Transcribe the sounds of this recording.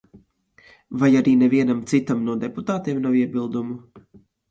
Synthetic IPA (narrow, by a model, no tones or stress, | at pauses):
vajaɾiːneviɛnamt̪sit̪amnuɔd̪eput̪aːt̪eɛmnawiɛbilˠd̪umu